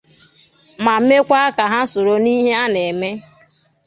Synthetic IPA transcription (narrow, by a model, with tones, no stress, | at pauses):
ma˨m̩˦me˦kʷa˦a˦ka˨ɦa˦so˨ɾo˨ni˦ɦe˦a˦ne˨me˦